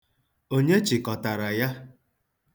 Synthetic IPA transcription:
o˦ɲe˦t͡ʃɪ˨kɔ˨ta˨ɾa˨ja˦

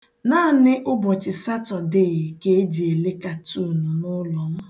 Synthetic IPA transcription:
naː˦˨nɪ˦ʔʊ˦bɔ˨t͡ʃɪ˨sa˦tɔ˨de˦˨ɣke˦e˦di˨e˨le˦ka˨tu˦˨nʊ˨nʊ˦lɔ˨ŋʷa˦

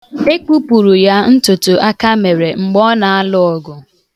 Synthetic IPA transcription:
e˦ku˦pu˨ɾu˨ja˦n̩˦tʊ˨tʊ˨ʔa˦ka˦me˨ɾe˨ŋ͡m̩˨ɡ͡bɔ˦na˨a˦lʊ˦ɔ˨ɡʊ˨

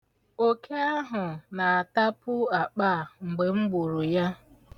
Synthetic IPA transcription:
o˦ke˦a˦ɦʊ˨na˨a˨ta˦pʊ˦a˨k͡pa˦˨ŋ͡m̩˨ɡ͡be˨ŋ͡m̩˦ɡ͡bu˨ɾʊ˨ja˦

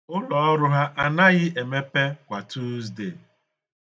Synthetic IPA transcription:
ʊ˦lɔ˨ɔ˦ɾʊ˦ɦa˦ʔa˦na˦ɣɪ˦ʔe˨me˦pe˦kʷa˨tu˦zde˦˨

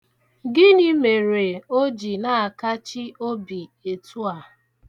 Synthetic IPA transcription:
ɡɪ˦ni˦me˨ɾe˨o˦d͡ʒi˨na˦˨a˨ka˦t͡ʃi˦o˦bi˨e˨tʰu˦a˨

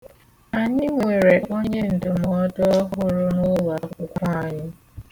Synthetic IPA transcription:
a˨ɲɪ˦ŋʷe˨ɾe˨ʔo˦ɲe˦n̩˨dʊ˨mɔ˦dɔ˦ɦʊ˦ɾʊ˦nʊ˦wa˨kʊ˦kʷa˦˨ɲɪ˦

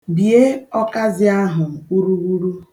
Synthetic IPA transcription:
bje˦ɔ˦ka˦zɪ˦a˦ɦʊ˨u˦ɾu˦ɡu˦ɾu˦

